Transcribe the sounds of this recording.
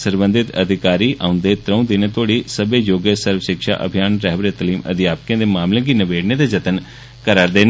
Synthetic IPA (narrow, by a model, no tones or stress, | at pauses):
səɾbənd̪ɪt̪ə̰d̪ʱɪkaːɾiːʔʔa̰ːʊ̃nd̪eːt̪ɾə̃ũːd̪ɪnẽːt̪oːɽiːsəbeːjoːɡəsəɾwəʃɪkʃa̰ːʔə̰bʱɪjaːnɾɛɦbɾeːt̪əliːmə̰d̪ɪjaːpəkẽːd̪eːmaːmlẽːɡinəʋeːɽneːd̪eːd͡ʒət̪ən | kəɾaːɾd̪eːn